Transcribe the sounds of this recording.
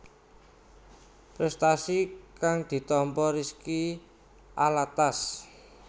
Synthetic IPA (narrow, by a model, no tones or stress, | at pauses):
pɾɛst̪asikaŋd̪̥i̤t̪ɔmpɔɾiski | alat̪as